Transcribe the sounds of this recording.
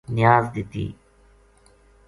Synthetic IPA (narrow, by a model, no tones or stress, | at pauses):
nɪjaːzd̪ɪt̪ḭː